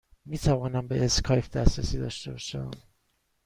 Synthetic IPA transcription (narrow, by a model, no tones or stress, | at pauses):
miːt̪ʰævɒːnæmbeʔeskʰɒjfd̪æsɾæsiːd̪ɒːʃt̪e̞bɒːʃæ̰m